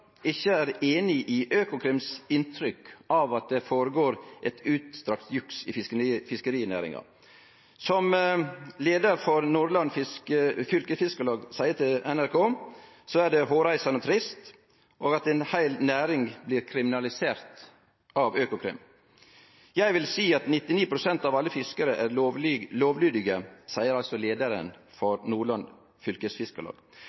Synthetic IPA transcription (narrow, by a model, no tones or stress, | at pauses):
ɪçːəæːɾeːnɪʔɪʔøːkʊkʰɾɪmsɪnt̪ʰɾʏkʔɑʋɑt̪̚d̪ɛfoːɾəɡoːɾʔɛt̪ʰʉːt̪st̪ɾɑkt̪jʉksɪ̰ɪfɪskəɾiːnæ̰ːɾɪ̰ŋɑ̰ | sɔm | leːd̪əɾfɔɾnuːɾlɑnfɪskəfʏlkəfɪskəlɑːɡsæɪət̪ʰɪlɛnæɾkʰoː | soæɖɛɦoːɾæɪsɑnɔt̪ʰɾɪst̪ | ʔoːɡɑt̪ɛɪnhæɪlnæːɾɪŋbliːɾkʰɾɪmɪnɑlɪseːɾt̪ | ʔɑʋøːkʊkʰɾɪ̰m | jæɪʋɪlsiːɑt̪nɪt̪ːɪniːpʰɾʊsɛnt̪ɑʋɑlːəfɪskəɾəʔæɾloːʋlyːd̪ɪɡəsæɪəɾɑlt̪sɔleːd̪əɾə̰nfɔɾnuːɭɑn | fʏlkəsfɪskəlɑ̰ːɡ